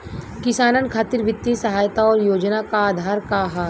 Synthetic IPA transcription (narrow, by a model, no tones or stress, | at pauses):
kɪsaːnənkʰaːt̪ɪɾʋɪt̪ːisɐɦaːjt̪aɔːɾjoːd͡ʒnakaːd̪ʱaːɾkaɦaː